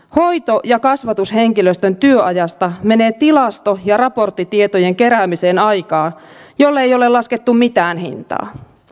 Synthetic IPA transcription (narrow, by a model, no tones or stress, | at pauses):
ho̞jt̪o̞jɑkɑsʋɑt̪ushe̞ŋkiløst̪ønt̪yøɑjɑst̪ɑme̞ne̞ːt̪ilɑst̪ojɑrɑpo̞rt̪ːit̪iet̪ojeŋke̞ɾæːmise̞ːnɑjkɑːjo̞lːejo̞le̞lɑsket̪ːummit̪æːnhḭnt̪ɑ̰ː